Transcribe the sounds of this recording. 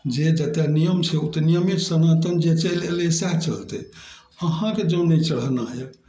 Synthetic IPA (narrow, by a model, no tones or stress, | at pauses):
d͡ʒed͡ʒət̪ɛnijəmseut̪nijəmit̪sənat̪ənd͡ʒet͡ʃəjlelsɛɦt͡ʃəlt̪ɛ | əɦãked͡ʒõnɛjt͡ʃəɽ̤naɦɛ